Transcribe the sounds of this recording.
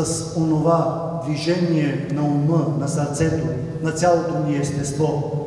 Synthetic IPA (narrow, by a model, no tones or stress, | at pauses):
əs | onova | d̪viʒɛniɛnɐumənɐsɐɾt̪sɛt̪o | nɐt̪sʲjalˠot̪oniɛst̪ɛst̪vɔ